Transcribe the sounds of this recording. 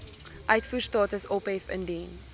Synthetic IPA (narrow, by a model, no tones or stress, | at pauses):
ʔœɥtfustɑːtəsɔpɛfə̰ndin